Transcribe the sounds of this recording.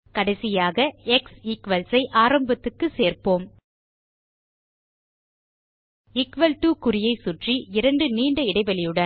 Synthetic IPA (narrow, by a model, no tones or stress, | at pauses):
kɐɽɐɪsɪjaːɣɐɛksɪkʋɐlsɐɪʔaːɾɐmbɐt̪ːɯkːɯseːɾpoːm | ɪkʋɐlʈuːkʊɾɪjɐɪsʊʈriɪɾɐɳɖɯniːɳɖɐɪɽɐɪʋɐɭɪjɯɽɐ